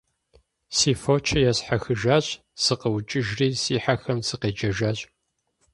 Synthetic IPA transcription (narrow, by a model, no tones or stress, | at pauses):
siːfoːt͡ʃʰɐjɛsħaxɨʒaːɕʼ | sɨqəwt͡ʃʼɪʒriːsiːħaxɐmsɨqeːd͡ʒɐʒaːɕʼ